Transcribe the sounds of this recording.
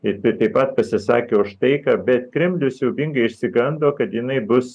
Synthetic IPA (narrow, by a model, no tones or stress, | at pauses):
ɪt̪ɪt̪ɐɪpɐt̪̚pɐsʲɪsɑ̰ːkʲeːʊʃt̪ɐɪkɑːbʲɛt̪kɾʲɛmʲlʲʊsjɛʊbʲɪŋɡɐɪɪʃʲsʲɪɡɐnd̪oːkɐt̪jɪnɐɪbʊs